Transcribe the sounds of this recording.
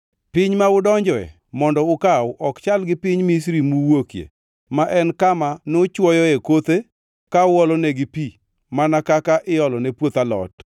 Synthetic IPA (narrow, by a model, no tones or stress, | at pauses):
pɪɲmaʊdɔɲd͡ʒɔɛ̰ | mɔndɔʊkaʔɔkt͡ʃalɡɪpɪɲmisɾimuwokjḛ | maʔɛnkamanot͡ʃwɔjɔekot̪e | kaʊɔlɔneɡɪpi | manakakaʔɪjɔlɔnepwot̪alɔ̰t